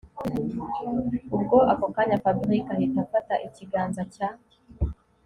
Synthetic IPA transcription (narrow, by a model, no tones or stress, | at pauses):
ubɡoʔakokaɲafabiɾikahitafataʔiciɡaːnzaca